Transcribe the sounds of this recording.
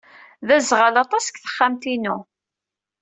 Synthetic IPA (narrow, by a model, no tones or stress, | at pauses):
ðæzʁəlɑt̪ˤɑsə̥kθə̥χːamt̪inu